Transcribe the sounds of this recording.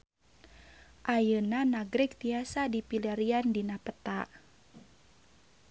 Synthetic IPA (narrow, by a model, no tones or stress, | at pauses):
ʔajənanaɡɾɛk̚t̪iasadipiliaɾiandinapət̪aʔ